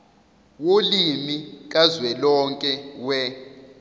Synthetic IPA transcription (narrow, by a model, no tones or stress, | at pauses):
wolimik̬ʼazwɛlɔŋkʼɛwɛ